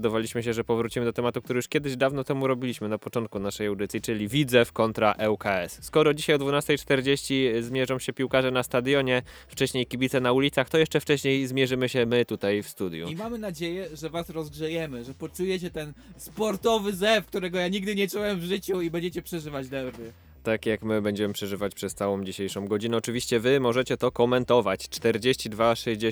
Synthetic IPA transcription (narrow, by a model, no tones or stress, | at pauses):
d̪ɔvalʲiɕmɘɕɛʐɛpɔvɾut͡ɕimɘd̪ɔt̪ɛmat̪ukt̪uɾɛju̥ʂkʲjɛd̪ɘʑd̪avnɔt̪ɛmuɾɔbʲilʲiɕmɘnapɔt͡ʂɔnt̪̚kunaʂɛjawd̪ɘt̪sʲjit͡ʂɘlʲivʲid̪zɛfkɔnt̪ɾaʔɛwkaɛsskɔɾɔd͡ʑiɕajɔd̪vunast̪ɛjt͡ʂt̪ɛɾd͡ʑeɕt͡ɕizmʲjɛʐɔ̃w̃ɕɛpʲiwkaʐɛnast̪ad̪jɔɲɛft͡ʂɛɕɲejkʲibʲit̪sɛnaulʲit̪saxt̪ɔjɛʂt͡ʂɛft͡ʂɛɕɲejzmʲjɛʐɘmɘɕɛmɘt̪ut̪ajfst̪ud̪jṵimamɘnad͡ʑejɛʐɛvasɾɔzɡʐɛjɛmɘʐɛpɔt͡ʂujɛt͡ɕɛt̪ɛnspɔɾt̪ɔvɘzɛfkt̪uɾɛɡɔjaɲiɡ̚d̪ɘɲɛt͡ʂuwɛmvʐɘt͡ɕuibɛɲd͡ʑet͡ɕɛpʂɛʐɘvad͡ʑd̪ɛvɘ | t̪akjakmɘbɛɲd͡ʑɛmɘpʂɛʐɘvat͡ɕpʂɛst̪sawɔ̃wd͡ʑiɕejʂɔ̃w̃ɡɔd͡ʑinɛɔt͡ʂɘvʲiɕt͡ɕɛvɘmɔʐɛt͡ɕɛt̪ɔkɔmɛnt̪ɔvat͡ɕt͡ʂt̪ɛɾd͡ʑeɕt͡ɕid̪vaʂɛʑd͡ʑe